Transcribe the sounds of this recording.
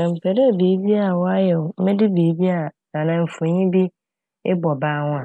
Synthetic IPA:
ã˨m̩˨pʰe˨ɾe˦˨biː˨˦bi˦a˨wɔ˦a˦jɛ˨wʊ˨m̩˦mẽ˦dɪ˦biː˨˦bi˦a˨nã˨nã˨m̩˨fo˨ɲĩ˦bi˦ | ɪ˦bɔ˨baː˦˨ŋ̃ʷ˦a˨

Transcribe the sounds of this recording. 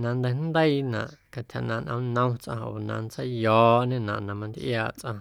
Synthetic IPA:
nã˧nd̪e˧nd̪ə˦i˧nã̰˨ʔka˧˨t̪ha˧˨nã˧nʔə̃˧˦nə̃˦t͡sʔã˧ʔo̰˨nã̰˧nt͡sə˦jjɔː˨˦ʔɲẽ˦˧nã̰˨ʔnã˧mã˧nd̪ʔjaː˧˨ʔt͡sʔã̰˧

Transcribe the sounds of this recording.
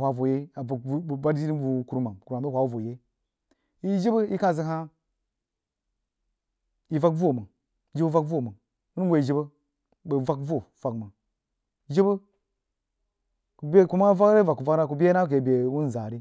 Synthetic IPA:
wa˨vo˨je˦a˨˦˨ba˦ɾi˦ɾi˦bu˨ku˨ɾma˨mku˨ɾma˨˦o˦hʷa˨wu˦vo˨je˦ | i˦d͡ʒi˦bə˦i˦ka˦˨zi˨ɦa˦ | i˨va˦kvo˦˨mə˨ | d͡ʒi˦bə˦va˦kvo˦˨mə˨ | u˦n˦we˨i˨d͡ʒi˦bə˦ | bə˨va˦kvo˦˨va˨kmə˨ | d͡ʒi˦bə˦ | ku˨be˦ku˦ma˦va˦ɾe˦va˨kːu˨va˦na˦ku˨bʲe˦na˦k̬e˨be˨wu˦n˨za˨ɾi˦

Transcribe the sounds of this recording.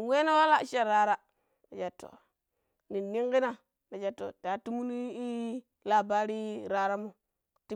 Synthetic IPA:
we˦na˦wa˦la˦˨ʃa˦˨ɾa˦ɾa˦ | na˨d͡ʒa˨tːo̰˨ | ni˨nːi˦ŋki˦na˦˨ | na˨d͡ʒa˨˦tːo̰˨da˨˦ti˦mu˦ni˦i˦ | la˨ba˦ɾi˦ɾa˨˦ɾa˦mo˦ | ti˦

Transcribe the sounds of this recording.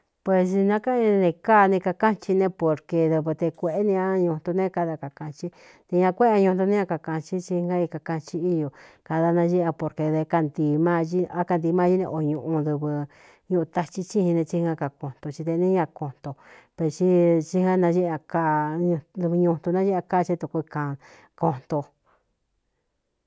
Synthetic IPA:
pwe˧snã˦ka˦ĩ˧nẽ˧ka˦˨˧nĩ˧ka˧ka˦t͡ʃi˧nẽ˦po˨ɾke˧ðɨ˧βɨ˧t̪e˧kʷe˧ʔe˦nĩ˧ã˦ɲũ˧nt̪u˧nẽ˦ka˧ða˧ka˨kã˧t͡ʃi˦ | t̪e˧ɲã˧kʷe˦˧a˧ɲũ˧n˧t̪u˧nĩ˦ã˧ka˨kã˧t͡ʃi˦t͡ʃi˧ŋã˦i˧ka˧ka˧t͡ʃi˧i˦jo˨ | ka˧ða˧nã˧ʒi˦˧ã˧po˧˨ɾke˧ðe˧ka˧nd̪i˧mãː˦ʒi˦˧a˦ka˧nd̪iː˧mãː˦i˦nḛ̃˧ʔo˧ɲũ˧ʔũ˧ðɨ˧βɨ˧ | ɲũ˧ʔũ˧t̪a˧t͡ʃi˧t͡ʃi˦hĩ˧nẽ˧t͡ʃi˧ŋã˧ka˧ko˧n̥t̪o˧t͡ʃi˧d̪e˧nĩ˦ɲã˧ko˧n̥t̪o˧pe˧t͡ʃi˦t͡ʃi˦hŋã˦nã˧ʒi˦˧ã˧ka˧d̪βɨ˧ɲũ˧nt̪u˧nã˦i˦a˧ka˦˧t͡ʃi˧˦t̪u˧ku˧i˧kã˨˧ | ko˧n̥t̪o˧

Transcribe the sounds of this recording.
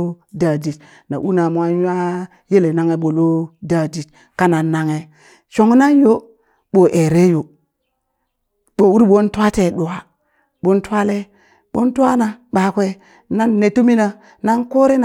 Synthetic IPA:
da˨d͡ʒi˨t | na̰˨ʔu˦na˨mʷ˨a˦a˦ | je˦le˨na˦ŋe˦ɓo˨lo˦da˨d͡ʒi˨t | ka˦na˨nːa˦ŋe˨ | ʃo˨ŋ˦na˦njo˦ | ɓo˨ʔe˨ɾe˦jo˨ | ɓo˨wu˦ɾi˦bo˦nta˦te˨ɗu˨a˨ | ɓo˦nta˦le˦ | ɓo˦nta˦na˨ɓa˨kʷe˦ | na˦nːe˨to˦mi˦na˨ | na˦nko˦ɾe˦n˨

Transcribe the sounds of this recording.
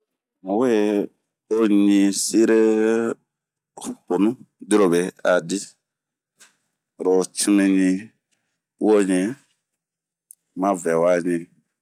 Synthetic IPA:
mõ˨we˦ | o˦ɲĩ˧si˦ɾe˦ | po˨nũ˦di˦ɾo˨be˨a˨di˦ | ɾo˨t͡ʃi˦mĩ˧ɲĩ˧˦ | o˦˨ɲĩ˨ | mã˦vɛ˨wa˦˨ɲĩ˧

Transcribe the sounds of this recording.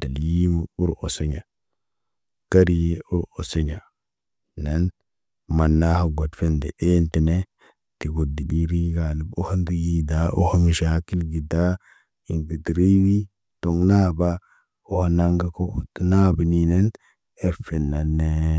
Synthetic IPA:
d̥a˨lji˦mu˦u˦ɾo˨se˦ɲa˨ | ka˦ɾi˦je˦u˦ɾo˨se˦ɲa˨ | ne˦n | ma˨nːa˦ha˨ɡa˨tfe˦ndḛ˨ʔe˦nti˨ne˦ | ti˨ɡo˨di˨ɗi˦ɾi˦ɡa˨ni˦bo˦ha˦ndi˦ɡi˦da˦ʔo̰˦ha˦mi˨ʃa˨ki˦lɡi˨da˦ | i˨ŋɡi˨di˨ɾi˦wi˦ | to˨ŋna˦ba˦ | o˦ha˨na˦ŋɡa˦ko˦tna˦bi˨nine˦n | e˦fe˨nːa˨nːe˦

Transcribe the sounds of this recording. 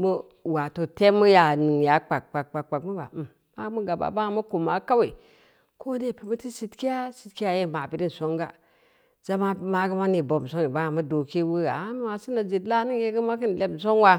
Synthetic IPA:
mu˦ | wa˨to˨te˦mu˦ja˨nɨ˨ŋja˨˦k͡pa˨k̚k͡pa˨k̚k͡pa˨k̚k͡pa˨kmu˦ba̰˨m | ma˦mu˦ɡa˨ba̰˨ba˦ŋa˨mu˦ku˨ma˨ka˦we˨ | kʰo˦de˦˨pi˨mu˦ti˦si˦tki˦a˦si˨tki˦a˦je˦˨ma˨pi˨di˦n˨so˦ŋɡa˨ | za˦ma˦ma˨ɡə˦ma˦ni˨bo˨m˨so˦ŋi˨ba˦a˨mu˦do˨ki˦wu˦ɡa̰˨˦m˦ma˨si˦na˨d͡ʒi˨tla˦ni˦ŋje˦ɡə˦ma˦ki˦n˨le˦b̩˨s̬o˦nwa˦

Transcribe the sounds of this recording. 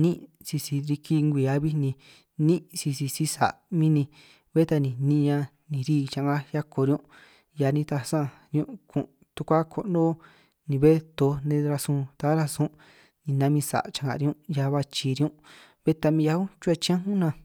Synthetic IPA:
nĩ˦ | si˧si˧ɾi˧ki˧ŋɡʷi˨a˧˦βi˦nĩ˧ | nĩ˦si˧si˧si˧sa̰˨mĩ˦nĩ˧ | βe˦t̪a˧nĩ˨nĩ˧ɲã˧ | nĩ˨ɾiː˦˨t͡ʃã˧ŋɡa˦ja˦ko˧ɾi˧ũ˦ | ja˧nĩ˧t̪a˧sã˦˧˨ | ɾjṵ̃˧ʔkʰṵ̃˧˨ | t̪u˧kʷa˦kʰo˧ʔnõ˦ | nĩ˨βe˦t̪o˨˧˦nẽ˧ɾa˧sũ˧t̪a˨˦ɾa˧sũ˦ | nĩ˨nã˧˦mĩ˧sa̰˨t͡ʃã˧˨ŋã̰˨˧ɾi˧ũ˧˦ja˧βa˧t͡ʃi˧˨˧ɾi˧ũ˦ | βe˦t̪a˧mĩ˧ja˧ũ˦t͡ʃu˦e˧t͡ʃĩ˧˦ã˦ɦũ˦nã˧˨

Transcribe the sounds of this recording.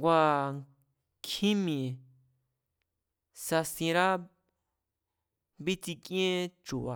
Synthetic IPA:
ɡwa˨ | kʰĩ˦mĩ˨ | sa˧sĩ˨ɾa˦ | bi˦t͡si˧kʼẽ˦ʈ͡ʂu˨wa˨

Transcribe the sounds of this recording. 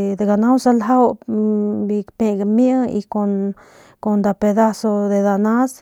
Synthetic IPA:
d̪e˨ɡa˨na˦wsa˦lɦa˦w | bi˧kpe˧ɡamja˦ḭ˧ko˧n | ko˨nd̪a˧pe˧d̪a˦so˧d̪e˧d̪a˨na˦s

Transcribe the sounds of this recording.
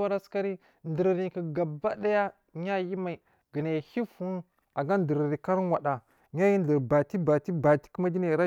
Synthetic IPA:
wa˦ɾa˦ska˦ɾi˦ | ndə˨ɾɾi˨ki˨ɡa˨ba˦da˦ja˦ | ɲa˦ji˦ma˨i˨ | ɡə˨na˨hi˦fu˦n | a˨ɡa˦ndə˨ɾɾi˨ka˦ɾwa˨ɗa˨ | ɲa˦ji˦n˨də˨ɾba˨ti˦ba˨ti˦ba˨ti̥˦ki˦ma˦di˦na˨ɾa˦

